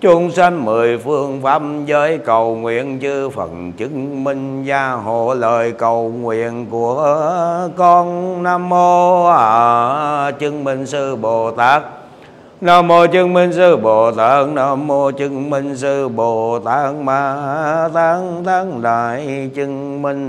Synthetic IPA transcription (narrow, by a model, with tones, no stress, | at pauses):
t͡ɕʊ˧ŋ͡msa˧ŋmɨ˨˩əjfɨ˧əŋfaː˦˥p̚zəː˨˦jkə˨˩wŋwḭ˧˨ənt͡ɕɨ˧fə˨˩nt͡ɕɨ˧˥ŋmi˧ŋ̟zaː˧ɦo̰˧˩ləː˨˩jkə˨˩wŋwḭ˧˨ənku˧˩ə | kɔ˧nnaː˧mːo˧a˨˩ | t͡ɕɨ˧əŋmï˧˩ŋ̟sɨ˧ɓo˨˩t̪aː˦˥k̚ | naː˧mːo˧t͡ɕɨ˧əŋmi˧ŋ̟sɨ˧ɓo˨˩t̪aː˦˥k̚naː˧mːo˧t͡ɕɨ˧ŋmi˧ŋ̟sɨ˧ɓo˨˩t̪aː˦˥k̚maː˨˩t̪aː˨˦ŋt̪aː˨˦ŋɗaː˧˨˩j | t͡ɕɨ˧əŋ | mi˧ŋ̟